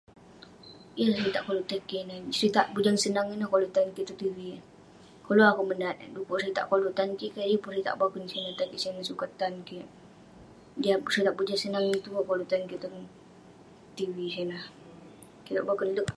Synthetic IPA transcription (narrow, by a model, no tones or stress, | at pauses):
jəlahkit̪aʔkoluʔt̪akinat͡ʃəɾit̪aʔbud͡ʒaŋsənaŋinəhkolut̪ankit̪ut̪iwi | koloakumənat̪dukoʔsit̪a̰ʔkoluʔt̪ankiʔkadipusit̪a̰ʔbakənsanat̪akiʔsianasukat̪ankiʔ | diasit̪aʔbud͡ʒaŋsənaŋit̪ukolut̪ankit̪u | t̪iwisanah | kit̪a̰ʔbakənluʔ